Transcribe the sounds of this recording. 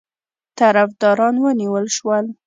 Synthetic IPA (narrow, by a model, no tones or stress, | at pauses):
t̪aɾafd̪ɑɾɑnwəniwəlʃwəl